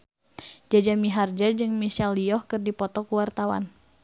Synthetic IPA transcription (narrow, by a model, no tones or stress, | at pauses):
d͡ʒad͡ʒamiɦard͡ʒəd͡ʒɨŋmiʃalːiɔhkɨrdipɔt̪ɔkuwart̪awa̰n